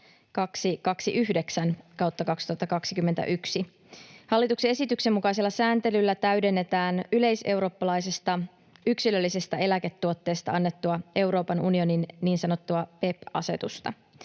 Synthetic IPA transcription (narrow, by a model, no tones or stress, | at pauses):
kɑksikɑksiʔyhde̞ksænkɑwt̪ːɑkɑksit̪uɑt̪ːɑkɑksikymːet̪æ̰ʔyksi | hɑlːit̪uksee̞sit̪ykse̞mːukɑjs̬e̞lːɑsæːnt̪e̞lylːæt̪æyɥde̞nːe̞t̪æːnyle̞jse̞wɾo̞ːpːɑlɑjsest̪ɑ | yksilø̞lːisest̪æe̞læke̞t̪ːuot̪ːe̞ːst̪ɑɑnːe̞t̪ːuɑe̞wɾo̞ːpɑnunio̞ninniːnsɑno̞t̪ːuɑpe̞pɑ̰se̞t̪ust̪ɑ̰